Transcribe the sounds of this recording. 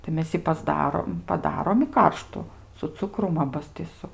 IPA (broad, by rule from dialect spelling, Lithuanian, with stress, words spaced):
tɐɪ ˈmʲɛs jɪ pɐzˈdɑːroːm pɐˈdɑːroːm ɪ ˈkɐrʃtʊ sʊ ˈt͡sʊkrʊm ˈɑːbɐs tʲɪ sʊ